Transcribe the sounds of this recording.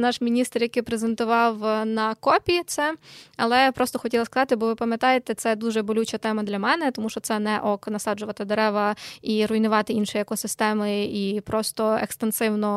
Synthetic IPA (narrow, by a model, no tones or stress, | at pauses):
nɑʃmʲinʲist̪rjɐkɪpɾezent̪ʊʋɑwnɐkɔpʲijit̪sɛɐlˠɛpɾɔst̪ɔxɔtʲilˠɐskɐzɑt̪ɪbɔʋɪpɐmʲjɐt̪ɑjet̪ɛt̪sɛd̪uʒɛbɔlʲut͡ʃɐt̪ɛmɐd̪lʲɐmɛnɛt̪ɔmuʃt͡ʃɔtsɛnɛʔɔknɐsɑd͡ʒʊʋɐt̪ɪd̪eɾɛʋɐiɾʊjnʊʋɑt̪ɪinʃɪjɐkɔsɪst̪ɛmɪipɾɔst̪ɔekst̪ensɪwnɔ